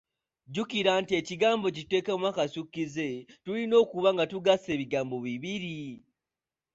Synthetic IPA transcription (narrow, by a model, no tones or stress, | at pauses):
ɟukiɾantie̞ciɡaːmbo̞cite̞ːkamwakasukːize̞tulino̞ːkuβaŋɡatuɡase̞ːβiɡaːmbo̞βiβiɾi